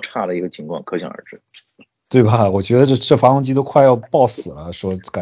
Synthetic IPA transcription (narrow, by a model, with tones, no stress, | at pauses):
ʈ͡ʂʰa˥˩d̪ə˩i˧˥ɡə˧˩t͡ɕʰi˧˥ŋkʰwɑ˥˩ŋkʰɤ˥ɕjɑ˨˩ŋə̰˞˧˥ʈ͡ʂɻ̩˥ | t̪we˥˩ɪbɐ˩wɔ˨˩t͡ɕɥɛ˧˥d̪ə˧ʈ͡ʂɤ˥˧ʈ͡ʂɤ˥˩fa˧˥kʊ˥ŋt͡ɕi˥t̪o˥kʰwa˥˧ɪjɑ˥˧ʊpɑ˥˩ʊsɹ̩˨˩lə˦ʂwɔ˥ka˨˩